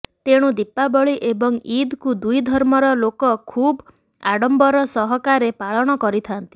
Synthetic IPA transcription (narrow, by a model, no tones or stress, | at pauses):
t̪eɽ̃ud̪ipːabɔɭiʔebɔŋid̪kud̪ujd̪ʱɔɾmɔɾɔlokɔkʰub | a̰ɽɔmbɔɾɔsɔɦɔkaɾepaɭɔɽ̃ɔkɔɾit̪ʰant̪i̥